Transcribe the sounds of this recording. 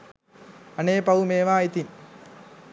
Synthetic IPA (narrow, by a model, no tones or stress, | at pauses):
ɐneːpɐʋumeːʋaːjit̪in